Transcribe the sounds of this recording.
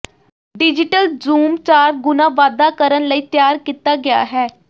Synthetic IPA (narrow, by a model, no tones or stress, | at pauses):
ɖɪd͡ʒɪʈəlzuːmt͡ʃaːɾɡʊnãːʋaːd̪aːkəɾənləiːt̪jaːɾkiːt̪aːɡɪja̰ːɦɛː